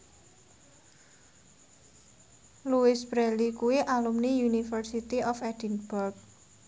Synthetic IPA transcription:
luɪsb̥ɾɛlikuwiʔalumnijunifərsit̪iʔɔfɛdinb̥ʊrk̚

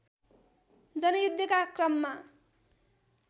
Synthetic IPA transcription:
d͡zʌnʌjud̪ʱːʌkakrʌmːa

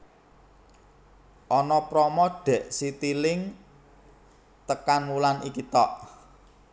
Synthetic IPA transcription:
ʔɔnɔpɾɔmɔɖ̥ɛ̤ʔsit̪ilɪŋ | t̪əkanmulanikit̪ɔʔ

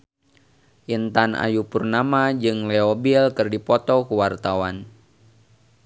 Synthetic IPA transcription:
ʔint̪ana̰jupurnamad͡ʒɨŋlɛɔbilkɨrdipɔt̪ɔkuwart̪awan

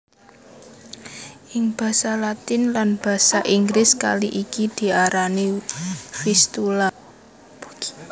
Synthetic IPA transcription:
ʔɪŋb̥a̤salat̪ɪnlanb̥ä̤saʔiŋɡlɪska̰liʔikid̪̥i̤aɾani | fist̪ula

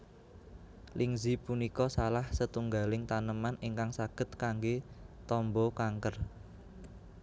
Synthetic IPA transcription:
lʔiŋzipunikɔsalahsət̪uŋɡalɪŋt̪anəmaniŋkaŋsaɡ̥ə̤t̪̚kaŋɡet̪ɔmbɔkaŋkər

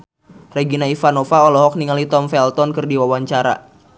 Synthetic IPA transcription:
reɡinaifanɔfaɔlɔɦɔk̚niŋalit̪ɔmfɛlt̪ɔnkɨrdiwawaɲt͡ʃaɾa̰

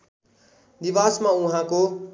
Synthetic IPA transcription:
d̪iʋasmãuɦãko

